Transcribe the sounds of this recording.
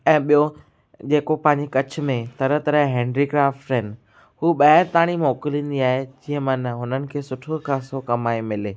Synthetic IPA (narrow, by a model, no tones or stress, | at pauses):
ɛ̃ːɓijo | d͡ʑeːkopɐ̃ɦɪ̃ɲd͡ʑekɐt͡ɕʰʊ̆mẽt̪ɐɾət̪ɐɾəɦɦɛ̃ːɳɖɾiɡɾaːfʈɪn | ɦuːɓɐɦɪɾt̪aːɽ̃imɔːkɪlĩːn̆d̪iaːɦed͡ʑĩːə̃mɐ̃nəɦʊnənɪ̆kʰeːsʊʈʰokʰãːsokɐmaːemɪleː